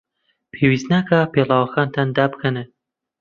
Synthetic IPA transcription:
pʰewiːst̪nakʰapelˠaːwɐxaːnt̪ʰand̪aːbɨkʰɐne

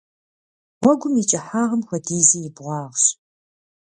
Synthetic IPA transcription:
wʷɔɡʷʊmit͡ʃʼɐħaːʁɐmxɐdiːziːjɪbʁʷɑːʁɕ

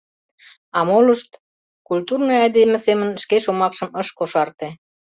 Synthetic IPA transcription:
ɑmoləʃt̪ | kult̪urnojɑd̪emĕsemənʃkeʃomɑkʃə̆məʃkoʃɑrt̪e

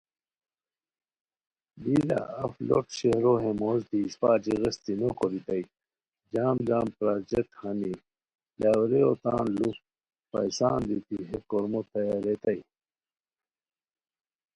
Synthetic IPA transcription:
bila̰ɐflo̰ʈɕehɾoɦẽmoːzt̪iːspaːt͡ɕiɣɐst̪inokoɾit̪ɐi | d͡ʑaːmd͡ʒaːmpɾaːd͡ʑek̚ʈhɐni | lawɾeot̪aːnlu | pɐ̰jsaːnd̪it̪iɦekoɾmot̪ɐjaɾet̪ɐi

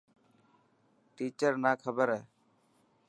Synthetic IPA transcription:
ʈiːt͡ʃəɾnaːkʰəbəɾɛː

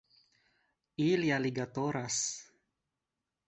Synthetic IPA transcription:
iljaliɡat̪oɾas

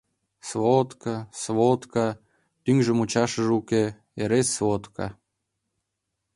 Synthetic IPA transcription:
svot̪kɑsβot̪kɑ | t̪yŋʒə̆mut͡ɕɑʃə̆ʒuke | eɾesvot̪kɑ̰

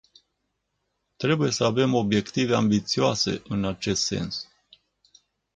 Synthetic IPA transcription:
t̪ɾe̞buje̞səave̞mo̞bje̞kt̪ive̞ambit̪sioase̞̰ʔɨnat͡ʃe̞st̪se̞̰ns

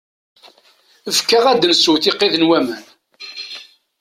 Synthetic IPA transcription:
əfkːaʁæd̪ənsuwθiqːeðənwæmən

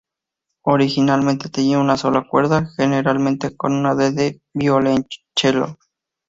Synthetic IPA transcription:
oɾixinalmẽnt̪et̪eniunaso̞lakweɾðaxeneɾalmẽnt̪ekonunaðeðe | biolent͡ʃelo̰

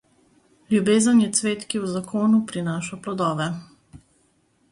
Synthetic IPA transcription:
ljubeːzənjɛt̪sʋeːt̪kiwzakʰoːnupɾinaːʃɔplɔd̪ɔːʋɛ

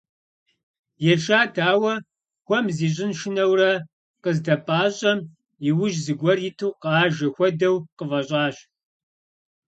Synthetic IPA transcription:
jɛʈ͡ʂaːdʰaːwɐ | xʷɔmziːɕ̬ʼɪnʃɪnɐwrɐ | qəzdɐpʼaːɕʼɐm | ɪwʊʒzɨɡʷɔrɪtʰɨwqaːʒɐxʷɔdɐwqəvɐɕʼɑːɕ

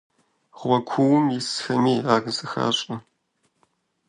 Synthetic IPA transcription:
ʁʷɐkʷʰuwʊmjɪsxɐmiːaːɡzɨxa̰ːɕʼnɐ

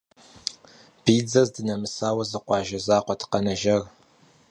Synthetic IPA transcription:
b̥iːd͡zɐzdɨnɐmɨsaːwɐzɨqʷɑːʒɐzaːqʷɔtʰqɐnɐʒɐr

